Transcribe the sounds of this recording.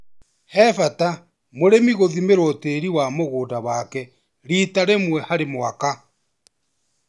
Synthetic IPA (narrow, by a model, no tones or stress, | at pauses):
hɛfata | moɾemiɣoðimeɾoteɾiwamoɣoːndawakɛ | ɾitaɾemwɛhaɾemwaka